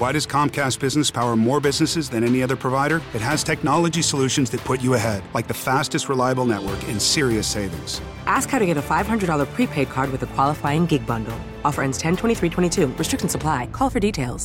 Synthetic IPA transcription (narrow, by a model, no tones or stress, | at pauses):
waɪɾʌz̥kʰɑ̃mkʰæst̚b̥ɪznɨspʰaʊə˞mɔɹbɪznɨsɨzðɨ̃ñɛniʌðə˞pʰɹ̥əvaɪɾə˞ɨt̚ɦɨz̥tʰɛk̚nɑlˠəd͡ʒisəlʉʃɨ̃n̩zðɨt̚pʰʊt͡ʃɨəɦɛdlaɪk̚ðɨfæstɨst̚ɹəlaɪəbl̩ˠnɛʔ̚wə̰˞kɪ̃nsɪɹiɨseɪvɪ̰̃ŋz̥ | ʔæskhaʊɾɨɡɛɾəfaɪv̥ɦʌ̃ndɹədɔlˠə˞pʰɹ̥ipʰeɪd̚kʰɑɹd̚wɨðɨkʰw̥ɑlˠəfaɪɪ̃ŋɡɪɡ̚bʌ̃ndˡl̩ˠ | ɔfə˞ɛ̃nstʰɛ̃ntʰwɛ̃ɾ̃iθɹitʰwɛ̃ɾ̃itʰʉɹɨstɹ̥ɪk̚ʃn̩səpʰl̥aɪkʰɔlˠfə˞ditʰeɪlˠz̥